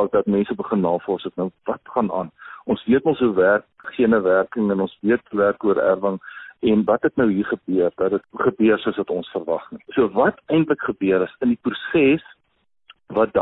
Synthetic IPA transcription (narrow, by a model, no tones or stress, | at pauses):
k̚dɐtmɛnsəbəχənːɑːfɔrsətnəwvɐtχɑnʔɑ̰ːnʔɔnsviətɔ̃nsuværk̚ | χiənəværkəŋɛnɔnsviətuværkuəɾæ̰rvəŋɛnvɐtɦɛtnəwɦiːrχəbøərdɐtdətχəbøərsuəsvɐtɔnsfərvɐ̰χnisuəvɐtɛjntləkχəbøəɾəsəndiprusɛs | vɐt̚d